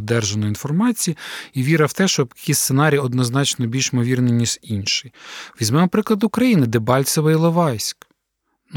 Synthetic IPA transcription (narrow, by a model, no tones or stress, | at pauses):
d̪ɛrʒenɔinfɔrmɑt͡sʲijiiʋʲiɾɐwt̪ɛʃt͡ʃɔbjɐkʲist̪senɑɾʲijɔd̪nɔznɑt͡ʃnɔbʲilʲʃmɔʋʲirnenʲiʒinʃɪʋʲizʲmɛmɔpɾɪklˠɐd̪ʊkɾɐjinɪd̪ɛbɑlʲt̪sɔʋɐilˠɔʋɑjsʲk | n